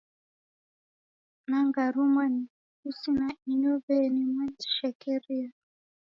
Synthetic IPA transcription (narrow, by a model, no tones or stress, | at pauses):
naŋɡaɾumani | usinaiɲɔbɛnimanti̥ʃɛkɛɾia